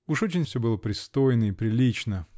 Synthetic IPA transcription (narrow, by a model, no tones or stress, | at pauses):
uʂot͡ɕɪnʲfsʲɵbɨlˠəpɾʲɪst̪o̞jɪnəipɾʲɪlʲit͡ɕnə